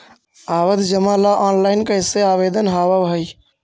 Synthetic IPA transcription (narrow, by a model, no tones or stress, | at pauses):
aːʋəd̪d͡ʒəmalaʔɔːnlaɪnkəseaːʋed̪ənɦaːʋəbɦəj